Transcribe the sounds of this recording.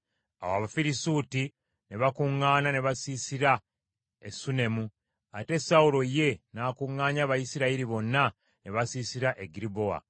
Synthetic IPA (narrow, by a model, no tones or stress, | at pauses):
a̰waβafiɾisuːti | ne̞βakuŋːaːnane̞βasiːsiɾa | esune̞mu | ate̞saulo̞je̞naːkuŋːaːɲaβajisiɾaiɾiβo̞nːa | ne̞βasiːsiɾaʔeɡiɾibo̞a̰